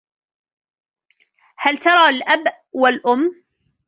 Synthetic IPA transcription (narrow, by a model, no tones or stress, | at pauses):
halt̪ɑɾˤɑːlʔabʔ | walʔʊmː